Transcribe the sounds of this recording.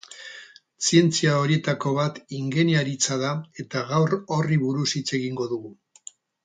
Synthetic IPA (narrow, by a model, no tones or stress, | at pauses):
sie̞nt͡siao̞ɾie̞t̪ako̞β̞at̪iŋɡe̞njaɾit͡saðae̞t̪aɣawro̞riβuɾusit͡se̞ɣiŋɡo̞ðuɣu